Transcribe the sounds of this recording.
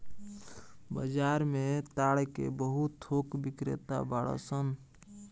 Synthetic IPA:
bə̰d͡ʒaːɾmẽt̪aːɽkḛbəɦut̪ʰːoːkbɪkɾḛt̪a̰baːɭə̰sən

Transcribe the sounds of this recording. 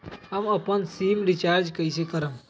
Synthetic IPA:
ɦəməpənsiːmɾit͡ʃaːɾd͡ʒkəjsekəɾəm

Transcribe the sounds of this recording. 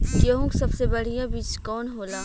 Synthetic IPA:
jɐɦũksɐbsebɐɽ̤ijãbiːt͡ʃkɔːnɦoːlaː

